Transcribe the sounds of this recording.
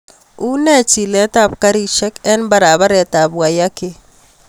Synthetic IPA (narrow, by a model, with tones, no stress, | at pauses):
u˦nɛ˦˨t͡ʃi˨lɛ˦ta˦˨pka˦ɾi˦ʃɛ˦kɛ˦nba˨ɾa˨βa˦ɾɛ˨ta˨bwa˨ja˦ke˦